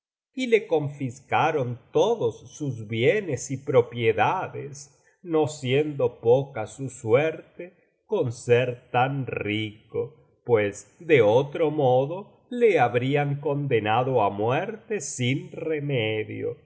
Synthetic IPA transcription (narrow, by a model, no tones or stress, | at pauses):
ile̞ko̞ɱfiskaɾont̪oðosːuzβjenesipɾopjeðaðes | nosjend̪o̞pokasusweɾt̪e | konseɾt̪anriko | pwesd̪eot̪ɾomoðo | leaβɾiaŋko̞nd̪enaðo̞amwɛɾt̪esinremeðjo̰